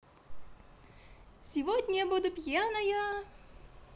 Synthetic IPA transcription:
sʲɪvod̪ʲnʲbud̪ʊpʲjanɐja

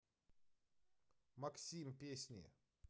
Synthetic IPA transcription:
maksʲimpʲesʲnʲɪjɛ̰

